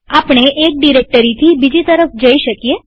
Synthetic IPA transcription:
apɽ̃eʔek̚ɖiɾek̚ʈəɾit̪ʰibid͡ʒit̪əɾəfd͡ʒəiʃəkije

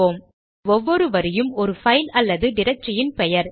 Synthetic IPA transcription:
oːm | ɔʋːɔɾɯʋɐɾɪjɯmɔɾɯfɐɪlɐlːɐðɯɖɪɾɐk̚ʈrɐjɪnpɛjɐɾ

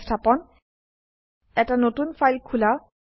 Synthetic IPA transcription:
ftʰapɔn | ɛtanotunfajlkʰula

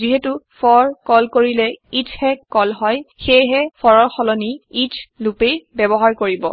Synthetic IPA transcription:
ziɦetufɔɹkɔlkoɹilɛitʰhɛkɔlɦɔjxejɦɛpʰɔɹɔxɔlɔniitʰlupejbɛbɔɦaɹkoɹibɔ̰

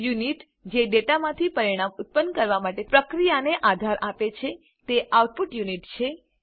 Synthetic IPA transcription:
juniʈ | d͡ʒeɖeʈamãt̪ʰipəɾiɽ̃ãmʊt̪̚pənkəɾʋamaʈepɾəkɾijaneʔad̪ʱaɾʔapet͡ʃʰe | t̪eʔawʈ̚puʈjuniʈt͡ʃʰe

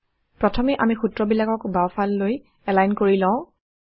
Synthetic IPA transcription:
pɹɔtʰɔmɛʔamixutɹɔbilakɔkbawfʰalːoj | ɛlajnkoɹilãʊ̃

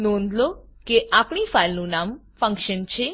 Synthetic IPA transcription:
nõnd̪lokeʔapɳ̃ifajlnũnam | fə̃ŋkʃənt͡ʃʰe

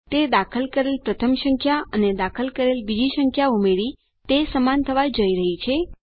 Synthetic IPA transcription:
t̪ed̪akʰəlkəɾelpɾət̪ʰəmʃəŋkʰjaəned̪akʰəlkəɾelbid͡ʒiʃəŋkʰjaumeɭi | t̪esəmant̪ʰəʋad͡ʒəiɾəɦit͡ʃʰe

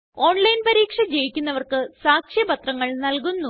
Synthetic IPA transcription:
o̞ːɳlɐjnpɐɾiːkʂɐd͡ʑejikʲːunːɐʋɐrkɨsaːkʂjɐbɐt̪rɐŋːɐɭnɐlkunːu

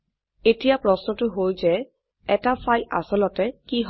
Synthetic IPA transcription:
etijapɹɔsnɔtʊɦojzɛ | ɛtafʰajla̰sɔlɔtɛkiɦ

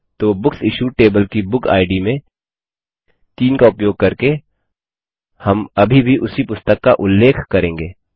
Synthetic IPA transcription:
t̪oːbʊksɪʃuʈeːbəlkibʊkʰa̰ːɪɖimẽ | t̪iːnkaʊpjoːɡ̚kɐɾke | hɐmɐbʱibʱiʔʊsipʊst̪əkːaʔʊlːeːkʰkɐɾẽːŋɡeː

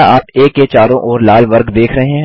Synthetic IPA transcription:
aːpeːket͡ʃaːɾõʔɔːɾlaːlʋɐɾɡd̪eːkʰɾɐɦeɦɛ̃

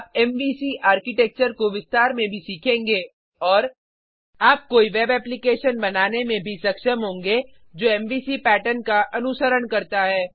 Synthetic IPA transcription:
p̚ɛmʋiːsiʔaːɾkɪʈɛk̚t͡ʃəɾkoʋɪst̪aːɾmẽbʱisiːkʰẽːŋɡeː | ɔːɾ | aːp̚koːiʋɛːbɛːplɪkeːʃənbɐnaːnemẽbʱisɐkʃəmɦõːŋɡe | d͡ʒoːɛ̃ːmʋiːsipɛːʈənkaʔɐnʊsəɾəɽkɐɾt̪aɦɛː

